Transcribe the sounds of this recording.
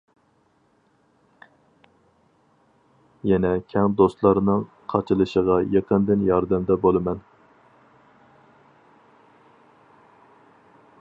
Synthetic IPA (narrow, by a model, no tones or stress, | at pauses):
jɛnɛkʲʰɛŋd̪ost̪lˠɑɾnɨŋ | qʰɑt͡ʃʰɨlˠɨʃəʁɑjeqʰənd̪ɪnjɑɾd̪ɛmd̪ɛbolˠɨmɛn